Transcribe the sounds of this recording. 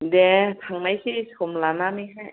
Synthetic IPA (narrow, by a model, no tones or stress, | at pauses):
dɛt̪ʰaŋnajsisʰomlanamiɦaj